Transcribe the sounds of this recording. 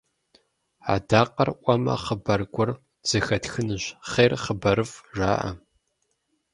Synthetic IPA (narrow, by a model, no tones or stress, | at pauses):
a̰daːqɐrʔʷɔmɐ̰χəbɐrɡʷʊr | z̥ɨxɐtxɨnɨʑχeːrχəbɐɾɨfʒa̰ːʔɐ̰